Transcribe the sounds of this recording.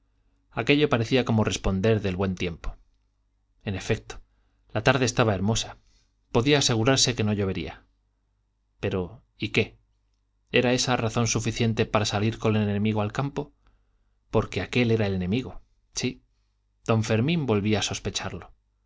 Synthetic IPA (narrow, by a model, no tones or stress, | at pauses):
ake̞ʎopaɾeθiako̞mo̞re̞spo̞nd̪e̞ɾðe̞lβwe̞nt̪je̞mpo̥ | e̞ne̞fek̚t̪o̥ | lat̪aɾðe̞ːst̪aβae̞ɾmo̞sa | po̞ðiaːse̞ɣ̞uɾaɾse̞ke̞no̞ʎo̞βe̞ɾḭa̰ | pe̞ɾo̞ | ike̞ | e̞ɾae̞saraθo̞nsufiθje̞nt̪e̞paɾasaliɾko̞neenemiɣo̞alkampo̞ | po̞ɾke̞ake̞le̞ɾae̞le̞nẽ̞miɣ̞o̞ | si | d̪̥õ̞ɱfe̞ɾmĩmbo̞lβiaːso̞spet͡ʃaɾlo̞